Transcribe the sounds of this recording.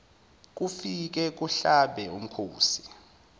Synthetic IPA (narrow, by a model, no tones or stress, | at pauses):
k̬ufik̬ɛk̬uɬaɓɛum̩kʰoːsi